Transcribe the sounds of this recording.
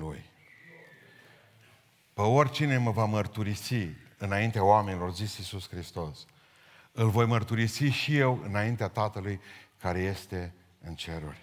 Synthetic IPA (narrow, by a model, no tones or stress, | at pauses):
lṵj | pəo̞rʲt͡ʃine̞məvamərt̪uɾisiɨnaint̪eaoame̞nʲilo̞rzisisuskɾist̪o̞s | ɨlvo̞jmərt̪uɾisiʃije̞wɨ̰naint̪eat̪at̪əlujkaɾe̞je̞st̪e̞ | ɨnt͡ʃe̞ɾṵrʲ